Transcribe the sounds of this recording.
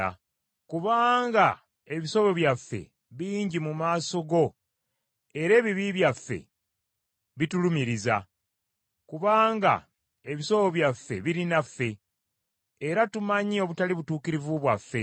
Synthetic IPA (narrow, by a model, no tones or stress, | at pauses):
a̰ | kuβaːŋɡa | e̞βiso̞βo̞βjafːe̞̰ | βiːɲɟimumaːso̞ɡo̞ | eɾe̞ːβiβiβjafːe̞̰ | βitulumiɾiza | kuβaːŋɡa̰ | e̞βiso̞βo̞βjafːe̞̰βiɾinafːe̞ | ɾatumaɲio̞βutaliβutuːkiɾivuβwafːe̞